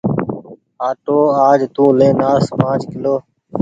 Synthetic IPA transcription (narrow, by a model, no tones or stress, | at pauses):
aːʈoːaːd͡ʒt̪ũːlẽːnaːspãːt͡ʃkɪloː